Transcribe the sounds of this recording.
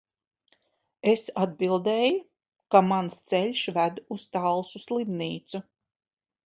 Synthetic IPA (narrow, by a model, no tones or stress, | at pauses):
esad̪̚bilˠd̪eːju | kamanst̪sɛlʲʃvæd̪uz̥t̪alˠsuslˠimniːt̪su